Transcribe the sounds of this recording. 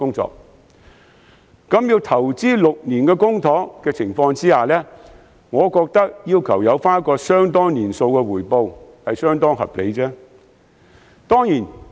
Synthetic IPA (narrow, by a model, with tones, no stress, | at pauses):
kʊ˥ŋt͡sɔ̰ː˧˨k̚ | kɐ˨˥mjiː˧wt̪ʰɐ˨˩wt͡siː˥lʊ˨k̚niː˨˩nkɛː˧kʊ˥ŋt̪ʰɔː˨˥kɛː˧t͡sʰɪ˨˩ŋfɔː˧ŋt͡siː˥haː˨lɛː˥ | ŋɔː˨˧kɔː˧k̚t̪ɐ˥k̚jiː˥wkʰɐ˨˩wjɐ˨˧wfaː˥n˥kːɔː˧sœː˥ŋt̪ɔː˥ŋniː˨˩nso˧wkɛ˧wuː˨˩jpo˧whɐ˨jsœː˥ŋt̪ɔː˥ŋɦɐ̰˨p̚le˨˧jt͡sɛː˥ | t̪ɔː˥ŋjiː˨˩n